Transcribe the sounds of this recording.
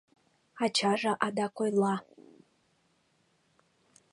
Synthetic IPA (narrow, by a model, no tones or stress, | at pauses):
at͡ʃʰaʐaʔadakʷʰʼojla